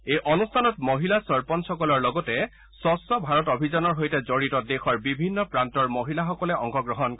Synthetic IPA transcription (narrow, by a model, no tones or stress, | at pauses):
ejʔɔnustʰanɔtmoɦilasɔɹpɔnsɔkɔlɔɹlɔɡɔtɛ | sɔsɔbʱaɹɔtobʱizɔnɔɹɦojtɛzoɹitɔdexɔɹbibʱinːɔpɹantɔɹmoɦilaxɔkɔlɛɔŋkɔɡɹɔɦɔnk